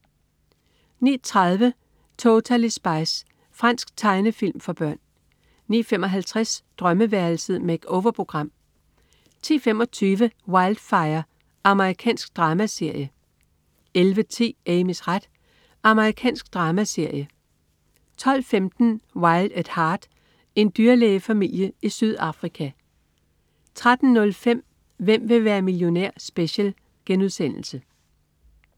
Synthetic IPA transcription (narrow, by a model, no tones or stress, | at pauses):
nḭːt͡sʰʁɑð̞ˠʋə | t͡sʰot͡sʰælisb̥ɑ̈ɪs | fʁɑn̰sɡ̥̚t͡sʰɑ̈ɪnəfil̰mfɒ̽b̥ɶɐ̰nː | ḭːfem̰ɒ̽ɦælt͡sʰʁɛsd̥ʁɶməʋæɐl̩səð̩ˠmeɡ̥oʊʋɐpʰʁo̝ɡ̥ʁɑ̈m̰ | t͡sʰḭːfem̰ɒ̽t͡sʰyːʋəwɑ̈ɪld̥fɑ̈ɪɐ | ɑ̈məʁikʰɛ̰ːnsɡ̥̚d̥ʁɑ̈ːmæse̝ɐ̰jə | elʋət͡sʰḭːeɪmesʁad̥ | ʔɑ̈məʁikʰɛ̰ːnsɡ̥̚d̥ʁɑ̈ːmæse̝ɐ̰jə | t͡sʰɒ̽l̰femd̥n̩wɑ̈ɪld̥æd̥hɑ̈ːd̥ | e̝nd̥yːɐleːfæmil̰jəisyð̞ˠɑ̈fʁikʰæ | t͡sʰʁad̥n̩nːɔ̽lfem̰ | ʋem̰ʋe̝ʋæːɐmiljo̝næɐ̰sb̥eɕel | ɡ̥enuðˠsen̰l̩sə